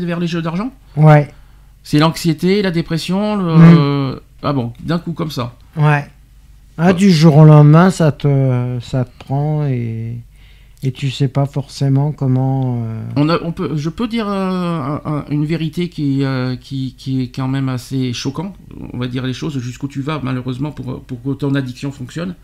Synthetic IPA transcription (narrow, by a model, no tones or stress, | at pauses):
vɛʁleʒød̪aʁʒɑ̃ | wɛ | sɛlɑ̃ksjet̪elad̪epχɛsjɔ̃lə | a̰bɔ̃d̪ɛ̃kukɔmsa | wɛ | ad̪yʒuʁõlɑ̃d̪mɛ̃sat̪əsat̪ə̥pχɑ̃e | t̪ysɛpafɔʁsemɑ̃kɔmɑ̃øɔ̃naʔɔ̃pøʒəpød̪iːʁøɛ̃ʔɛ̃ynveʁit̪ekʲiɛøkʲikʲiɛkɑ̃mɛmaseʃɔkɑ̃t̪ɔ̰̃vad̪iʁleʃozʒyskut̪yvamaløʁøzmɑ̃puʁ̰puʁkət̪ɔ̃nad̪iksjɔ̃fɔ̃ksjɔn